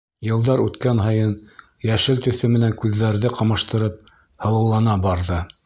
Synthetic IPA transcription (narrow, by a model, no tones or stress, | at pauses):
jɤ̆lˠd̪ɑɾʉt̪kænɦɤ̆jɤn | jæʃɘlt̪ɵ̆θɵmɘ̆næŋkʉðːæɾðɘqɑmɑʃt̪ɤ̆ɾɤp̚ | hɤ̆lˠɤ̆wlˠɑnɑbɑɾðɤ